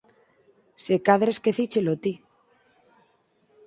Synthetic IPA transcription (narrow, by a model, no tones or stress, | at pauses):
sekaðɾeskeθit͡ʃelot̪i